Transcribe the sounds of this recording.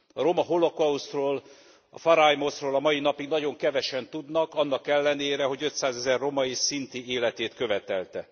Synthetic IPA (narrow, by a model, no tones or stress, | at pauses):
ɒɾo̞mɒɦo̞lo̞kɒusroːl | ɒ̰fɒɾajmo̞sroːlɒmɒjinɒpiɡnɒɟo̞ŋkɛvɛʃɛnt̪ud̪nɒkɒnːɒkɛlːɛneːɾɛɦo̞ɟø̞t̪saːzɛzɛrːo̞mɒisint̪ieːlɛt̪eːt̪kø̞vɛt̪ɛlt̪ɛ